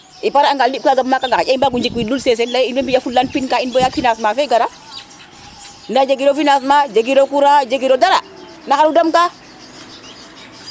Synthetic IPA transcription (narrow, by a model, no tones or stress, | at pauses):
ʔipaɾaaŋɡaldip̚kaɡabmːakaŋɡakaaimbaɡund͡ʒikwilulses̬enlainbebijafullanpinkainbojakfinasmafeɡaɾa | ndad͡ʒaɡiɾofinas̬mad͡ʒaɡiɾokuɾad͡ʒeɡiɾodaɾa | naxaɾudamka